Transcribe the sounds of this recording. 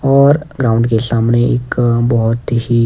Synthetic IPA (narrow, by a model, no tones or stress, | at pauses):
ɔːɾɡɾaːʊ̃ɳɖkesaːmneɪkbɔɦʊt̪ɦi